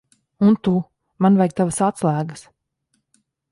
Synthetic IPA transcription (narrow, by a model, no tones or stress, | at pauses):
unt̪u | manvɛjk̚t̪avasat̪slˠæːɡəs